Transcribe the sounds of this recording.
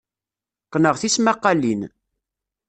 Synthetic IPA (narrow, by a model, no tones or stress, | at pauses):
qːnəʁθismæqːɑlin